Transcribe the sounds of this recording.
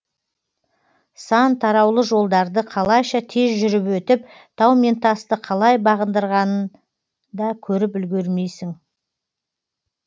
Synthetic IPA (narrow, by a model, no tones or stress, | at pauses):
sɑnt̪ʰɑɾɑwlˠəʒo̞lˠd̪ɑɾd̪əqʰɑlˠɑjʃɑt̪ʰe̞zʒʏɾɪpwɵt̪ɪp̚ | t̪ʰɑwmʲent̪ɑst̪əqʰɑlˠɑjbɑʁənd̪əɾʁɑnən | d̪ɑkʲʰɵɾɪpʏlɡʲeɾme̞jsɪŋ